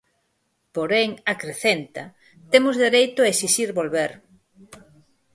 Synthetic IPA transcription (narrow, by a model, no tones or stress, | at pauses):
poɾeŋakɾeθent̪ɐ | t̪emʊzðeɾejt̪ʊaesisiɾβolβeɾ